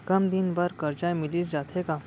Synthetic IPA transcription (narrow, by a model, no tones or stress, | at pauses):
kəmd̪inbəɾkəɾd͡ʑajmiliːsd͡ʑat̪ʰeka